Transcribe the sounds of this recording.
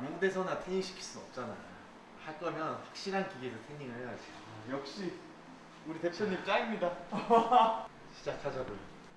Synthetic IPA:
mjuŋde̞sʰʌnatʰeɲiɕʰi̥kʰi̥ɭs͈unʌp̚t͡ɕ͈ana̰jo | haɭk͈ʌmjʌnɸwak̚ɕ͈iɾɦankiɡesʰʌtʰeŋɲiŋɯɭejad͡ʑiojʌk̚ɕ͈i | uɾite̞pʰjʌɲːimt͡ɕ͈aɡimɲida | ɕi̥d͡ʑak̚t͡ɕʰad͡ʑaboi

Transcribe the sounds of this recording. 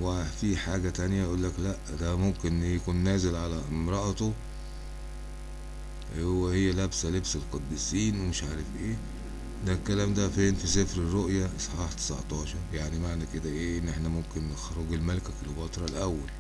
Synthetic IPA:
wefiħaːɡæt̪ænjæjʔuːlːæklæʔd̪æmomkenjækuːnːæːzelʕalæmɾˤɑʔt̪o | wehejːælæbsælebselqɑd̪ːiːsiːnwemeɪʃʕaːɾefʔeː | d̪ælkːælæːmd̪æfeːnfisefɾerːoʔjæʔsˤħɑːħt̪e̥sa̰ʕt̪ˤɑːʃɑɾˤjaʕnimaʕnæked̪æʔeːʔenːʔeħnæmomkennexɾoɡelmælkækelbɑt̪ˤɾˤɑlʔæwːæl

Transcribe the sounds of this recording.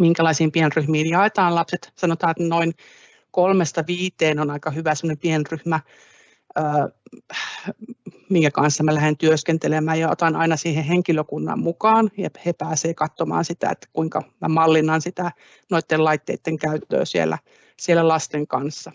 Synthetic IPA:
miŋkælɑisiːmpienryhmiːnjɑet̪ɑːnlɑpset̪sɑnot̪ɑːet̪noin | kolmest̪ɑʋiːt̪eːnonɑikɑhyʋæsemŏnempienryhmæ | əː | miŋkækɑnsːɑmælæhent̪yøskent̪elemæːjɑo̰t̪ɑnɑ̰inɑsiːheheŋkiløkunːɑ̰ːmmukɑːnjɑhepæːseːkɑt̪ːomɑ̰ːnsit̪æ̰ḛt̪ːkuiŋkɑ̰mæ̰mɑlːinːɑnsit̪æ | noit̪ːelɑit̪ːḛit̪ːeŋkæyt̪ːø̰ːsiḛlːæ̰ | sielːælɑst̪eŋkɑnsːɑ

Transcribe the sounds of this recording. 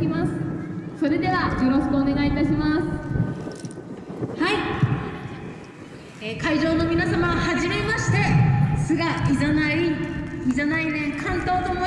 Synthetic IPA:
imasɨ̥so̞ɾe̞d̪e̞β̞ajo̞ɾo̞ɕkɯoːne̞ɡait̪aɕimasɨ̥ | hai | ekaiʑo̞ːno̞mʲinasamaβahaʑime̞maɕi̥t̪e̞sɨɡaʔizanaiizanainẽ̞ŋkʰãnt̪o̞ːt̪omo

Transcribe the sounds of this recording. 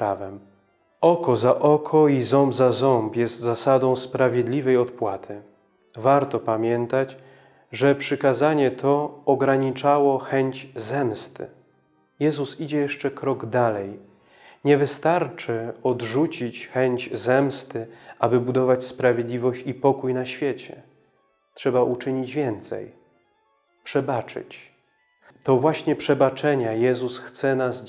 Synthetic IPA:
avɛm | ɔkɔzaʔɔkʰɔizɔmbzazɔmpjɛst̪zasad̪ɔ̃w̃spɾavʲjed̪lʲivɛjɔt̪pwat̪ʰɘ | vaɾt̪ɔpamʲjɛnt̪at͡ɕ | ʐɛpʂɘkazaɲɛt̪ʰɔːɡɾaɲit͡ʂawɔxɛɲt͡ɕzɛmst̪ɘ̰ | jɛzusid͡ʑɛjɛʂt͡ʂɛkɾɔɡd̪alɛj | ɲɛvɘst̪aɾt͡ʂɘɔdʐut͡ɕit͡ɕxɛɲd͡ʑzɛmst̪ɘʔabɘbud̪ɔvat͡ɕspɾavʲjed̪lʲivɔɕt͡ɕipɔkujnaɕfʲjeɛt͡ɕɛ̰ | tʂɛbaʔut͡ʂɘɲid͡ʑvʲjɛnt̪sɛ̰j | pʂɛbat͡ʂɘ̰t͡ɕ | t̪ɔvwaɕɲɛpʂɛbat͡ʂɛɲajɛzusxt̪sɛnaz

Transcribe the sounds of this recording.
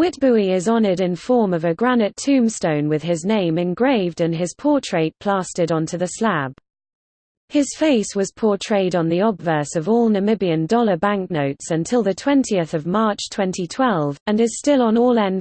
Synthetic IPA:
wɪʔ̚b̥ʉiɪzɒnəɾɪ̃nfɔːməvəɡɹanɪtʰʉ̃ːmstə̃ʊ̃nwɪð̥ɪznẽɪ̃mɨ̃nɡɹeɪvdə̃nɪz̥pʰɔˑtʰɹ̥eɪt̚pʰl̥ɑˑstɪɾə̃ntʰʉðəslab̥ | hɪz̥feɪswɒz̥pʰɔˑtʰɹ̥eɪɾn̩ðiɒbvɜˑsəvɔːlˠnəmɪbiə̃ndɒlˠəbãŋk̚nəʊtsə̃ntʰɪlˠðətʰw̥ɛ̃ntʰiəθəvmɑˑt͡ʃtʰw̥ɛ̃ntʰitʰw̥ɛlˠvə̃nɪz̥stɪlə̃nɔːlɛ̃n

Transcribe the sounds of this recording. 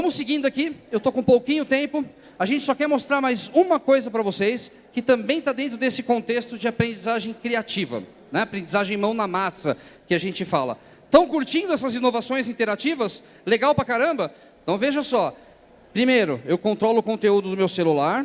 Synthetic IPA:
vɐ̃mʊsːɪɡĩnd̪ʊakiewt̪okõpowkĩɲʊt̪ẽmpʊ | aʒẽnt͡ʃɪsɔkɛɾmost̪ɾaɾmajzũmɐkojzɐpɾɐvosejs | kɪt̪ɐ̃mbẽj̃t̪ad̪ẽnt̪ɾʊd̪esɪkõnt̪est̪ʊd͡ʒɪapɾẽd͡ʒizaʒẽj̃kɾiat͡ʃivɐ̰ | nɛapɾẽnd͡ʒizaʒẽj̃mɐ̃w̃nɐmasɐkɪaʒẽnt͡ʃɪfalɐ̰ | t̪ɐ̃w̃kuɾt͡ʃĩnd̪ʊɛsɐzinovasõj̃zĩnt̪eɾat͡ʃivɐs | leɡawpɾɐkaɾɐ̃mbɐ | ẽt̪ɐ̃w̃veʒɐsɔ | pɾimejɾʊ̰ewkõnt̪ɾɔlʊːkõnt̪eud̪ʊd̪ʊmewselulaɾ

